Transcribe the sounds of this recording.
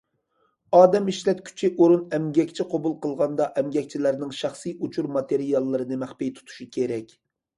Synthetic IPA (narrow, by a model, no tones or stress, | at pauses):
ɑːd̪ɛmiʃlɛt̪kʲʰy̥t͡ʃʰiʔoɾunɛmɡʲɛkʲt͡ʃʰiqʰobulˠqəlˠʁɑnd̪ɑʔɛmɡʲɛk̚ʲt͡ʃʰilæɾnɪŋʃɑχsɨjut͡ʃʰuɾmɑt̪ʰeɾijɑlˠːɨɾɨnɨmæχpejt̪ʰu̥t̪ʰu̥ʃukʲʰeɾɛkʲ